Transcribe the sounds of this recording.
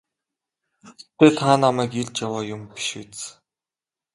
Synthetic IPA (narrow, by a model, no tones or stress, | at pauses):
t̪eːɮχaːnamæːkiɮt͡ɕjawaːjʊmpi̥ʃut͡s